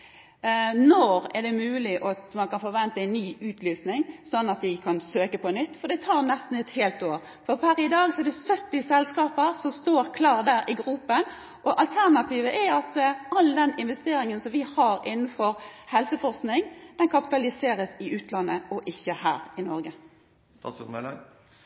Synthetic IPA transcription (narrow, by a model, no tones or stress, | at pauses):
nɔɾɛd̪ɛmʉːlɪʔɑt̪mɑnkʰɑnfɔɾʋɛnt̪əæɪnːyːʉːt̪ʰlyːsnɪŋsɔnːɑt̪̚d̪ɪkʰɑnsøːkəpʰɔnʏt̪ːfɔɾd̪ɛt̪ʰɑːɾnɛst̪n̩ɛt̪heːlt̪oːɾ | fɔɾpʰæɾɪd̪ɑːɡsɔɛd̪ɛsœt̪ːɪsɛlskɑːpəɾsɔmst̪oːɾkʰlɑːʁd̪æːɾʔɪɡɾupːən | ʔɔʔɑlt̪ʰæʁnɑt̪ʰiːʋəʔɛɑt̪ɑld̪ɛnɪnʋɛst̪eːɾɪŋənsɔmʋɪhɑːɾɪnːn̩fɔɾhɛlsəfɔʁɾsknɪŋd̪̥ɛnkʰɑpɪ̥t̪ɑlɪseːɾəsɪʉːt̪lɑnːəʔɔʔɪçːəhæːɾɪnɔɾɡə | t̪ɑ̰mɛlɛ